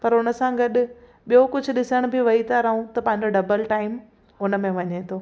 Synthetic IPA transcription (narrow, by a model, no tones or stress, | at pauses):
pɐɾʊnə̆sãɡɐɗʊ̆ | ɓijokʊd͡ʑʱʊ̆ɗɪsəɽ̃bʱɪʋɐɦit̪ʰaɾɐɦũt̪ɐpɐ̃ɦɪɲ̆d͡ʑoɖɐbəlʈaːɪm | ʊnə̆mẽʋɐɲet̪ʰoː